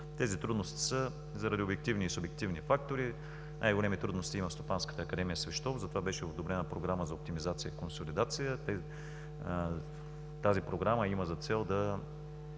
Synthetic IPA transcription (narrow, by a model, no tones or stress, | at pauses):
t̪ɛzit̪ɾud̪nost̪i̥sə | zɐɾɐd̪iobjɛk̚t̪ivniːsʊbjɛk̚t̪ivnifakt̪oɾi | nʔa̰jɡolɛmit̪ɾud̪nost̪iiməfst̪opanskə̥t̪əɐkɐd̪ɛmijəsvɛʃt̪ɔfzəɐt̪ovabɛʃɛod̪obɾɛnəpɾoɡɾaməzɐop̚t̪imizat̪sijəikonsolid̪at̪sijət̪ɛ | t̪azipɾoɡɾaməiməzɐt̪sɛlˠd̪ɐ